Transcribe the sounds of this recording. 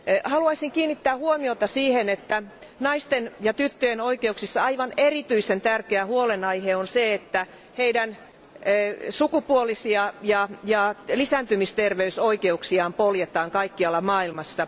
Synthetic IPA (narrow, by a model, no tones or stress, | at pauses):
hɑluɑisiŋkiːnːit̪ːæːhuomiot̪ɑsiːhenet̪ːænɑist̪enjɑt̪yt̪ːøjenoikeuksisːɑɑiʋɑnerit̪yisent̪ærkeæhuolenɑiheonseet̪ːæ | heidæn | sukupuolisiɑjɑjɑlisænt̪ymist̪erʋeysoikeuksiɑːmpoljet̪ɑːŋkɑikːiɑlːɑmɑːilmɑsːɑ